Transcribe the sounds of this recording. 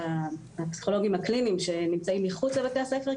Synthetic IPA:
a | hapsi̥χo̞lo̞ɡimhaklinimʃe̞nimt͡saimːiχut͡sabet̪easefe

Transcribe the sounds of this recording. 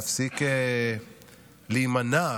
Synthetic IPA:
fsike | liːmana

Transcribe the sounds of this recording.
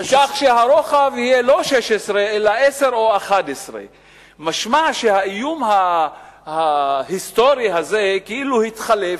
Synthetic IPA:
aʃaχʃeɦaɾoχavhijelo̞ʃeʃesʁeelaʔe̞se̞ɾoaχad̪esʁḛ | maʃmaʃehaijumha | hahist̪o̞ɾiɦazekeʔiluhit̪χalef

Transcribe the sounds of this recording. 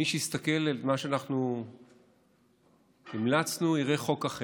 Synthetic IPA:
iʃeist̪ake̞lelmaʃeanaχnu | nimlat͡snuiʁeχo̞kaχe

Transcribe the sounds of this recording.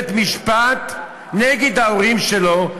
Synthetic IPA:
t̪miʃpat̪ | neɡed̪aoʁimʃelo

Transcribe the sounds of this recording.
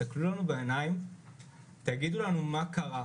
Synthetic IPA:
aklulanubeenajim | t̪aɡid̪ulanumakaʔa

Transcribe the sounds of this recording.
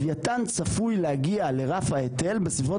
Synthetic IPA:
vjatant͡safujlehaɡiale̞ʁafhaetelbesivo

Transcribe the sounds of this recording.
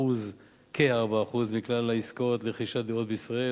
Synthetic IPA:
uz | kʰehaʁbaːχuzmiklalːaiskot̪leχiʃatd̪eot̪̚beisʁae

